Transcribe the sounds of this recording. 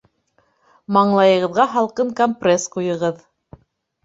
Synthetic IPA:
mɑɴlˠɑjɤ̆ʁɤ̆ðʁɑɦɑlˠqɤŋkomprʲesqujɤ̆ʁɤð

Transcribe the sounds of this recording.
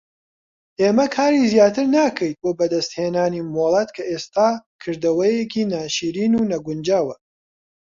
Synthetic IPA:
ʔeːmɐkʰaːɾizjaːt̪ɨɾnaːkʰɐjt̪̚boːbɐd̪ɐst̪heːnaːnimoːlˠɐt̪kʰɐʔeːst̪aːkʰɨɾd̪ɐwɐjekʰiːnaːʃiːɾiːnuːnɐɡʊnd͡ʒaːwɐ

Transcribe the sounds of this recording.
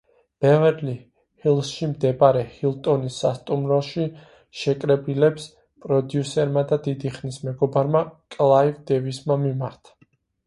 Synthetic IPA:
b̥ɛvɛɾli | hilˠsʃimd̪ɛbaɾɛhilˠt̪ʼɔnisːa̰st̪ʼumɾɔʃi | ʃɛkʼɾɛbilɛps | pʼɾɔd̪jusɛɾmad̪ad̪id̪iχnismɛɡɔbaɾmakʼlˠaivd̪ɛvismamimaɾt̪ʰḁ

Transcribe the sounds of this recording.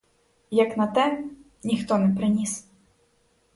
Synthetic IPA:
jɐknɐt̪ɛ | nʲixt̪ɔnɛpɾɪnʲis

